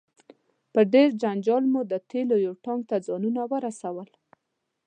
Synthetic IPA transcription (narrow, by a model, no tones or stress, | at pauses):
pəɖeɾd͡ʒand͡ʒɑlmud̪ət̪ʰelojoʈɑŋɡ̚t̪ad͡zɑnunawəɾasawəl